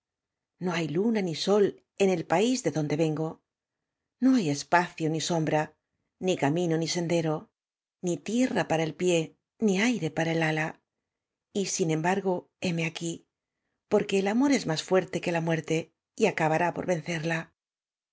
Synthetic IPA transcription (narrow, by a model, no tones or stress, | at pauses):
no̞ajlunaniso̞l | e̞ne̞lpaizðe̞ðo̞nd̪e̞βe̞ŋɡo̞ | no̞aje̞spaθjoniso̞mbɾa | nikamĩno̞nise̞nd̪e̞ɾo̞ | nit̪je̞rapaɾae̞lpje̞ | niajɾe̞paɾaelala | isinẽ̞mbaɾɣo̞ | e̞me̞aki | po̞ɾke̞ːlamo̞ɾe̞zmasfwe̞ɾt̪e̞ke̞lamwe̞ɾt̪e̞ | iakaβaɾapo̞ɾβe̞n̟θe̞ɾla